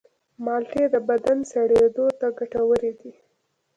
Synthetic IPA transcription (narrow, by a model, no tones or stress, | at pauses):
mɑlʈed̪əbad̪ansaɽed̪ot̪aɡaʈawəɾed̪i